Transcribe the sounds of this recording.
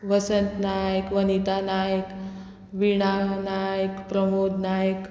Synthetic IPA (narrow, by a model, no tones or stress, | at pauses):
ʋəsənt̪najəkʋənit̪anajək | ʋiɽ̃anajəkpɾəmod̪najək